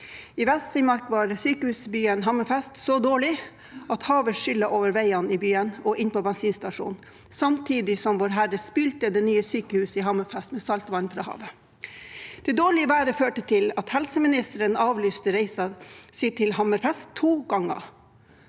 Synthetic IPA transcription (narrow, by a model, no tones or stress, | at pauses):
ɪʋɛst̪ɾɪmɑɾkʋɑːɾsyːkəhʉːsbyːənɦɑməfɛst̪sɔd̪oːɭɪ | ɑt̪hɑːʋəʂʏlːəʔoːʋəɾʋæɪɑnɪbyːənʔɔʔɪnpɔbɛnsiːnst̪ɑʂṵːnn | sɑmt̪ʰiːd̪ɪsɔmʋoːɾɦæɾəspyːlt̪əd̪ɛːnyːəsyːkəhʉːsəɪɦɑməfɛst̪mɛːsɑlt̪ʋɑnfɾɑ̰ːhɑ̰ːʋə | d̪̥ɛd̪oːɭɪəʋæːɾəføːʈət̪ʰɪlɑt̪hɛlsəmɪnɪst̪əɾənɑːʋlyːst̪əɾɛɪsɑsit̪ʰɪlhɑməɾfɛst̪ʰːuːɡɑŋːə̰